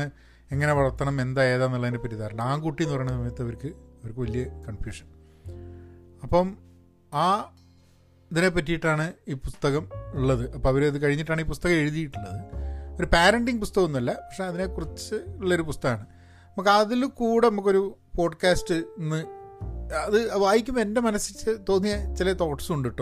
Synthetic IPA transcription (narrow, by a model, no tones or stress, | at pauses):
ɨ | e̞ŋːɐne̞ʋɐɭɐrt̪ːɐɳɐme̞nd̪aːe̞ːðaːnːuɭːɐðinepːɐtːit̪aːɾɐɳɖɐaːŋkuʈːinːuʋɐrɳɐsɐmɐjɐt̪ːɨɐʋɐɾkːɨɐʋɐɾkːɨʋɐlijɐkɐɳfjuːʂɐn | ɐpːɐm | aː | ɐðine̞pːɐtːijiʈːaːɳɨiːpust̪ɐɣɐmuɭːɐðɨʔɐpːoːɐʋɐɾɐðɨkɐɻiɲːiʈ̬ːaːɳiːpust̪ɐɣɐme̞ɻuðijiʈːuɳːɐðɨo̞ɾupaːɾɐɳɖiŋɡpust̪ɐɣɐmunːɐlːɐpɐkʂe̞ɐðine̞kurɐt͡ɕːɨuɭːɐoɾupust̪ɐɣaːɳɨ | ɐmɐkːɐðilkuːɽe̞nɐmukːo̞ɾupo̞ːɖkaːsʈɨnːɨ | ɐðɨɐʋaːjikʲːume̞ndemɐnɐsit͡ɕːɨt̪o̞ːnːijɐt͡ɕilɐt̪o̞ːʈːsuɳɖiʈːo